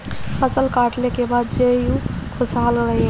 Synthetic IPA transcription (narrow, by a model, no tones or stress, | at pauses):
həsəlkaːʈlekebaːd̪d͡ʒejũkʰʊsalɾəɦe